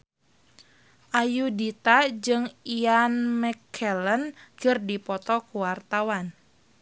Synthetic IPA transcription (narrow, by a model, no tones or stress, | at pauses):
ʔajudit̪ad͡ʒɨŋianmɛkʰɛlənkɨrdipɔt̪ɔkuwart̪awan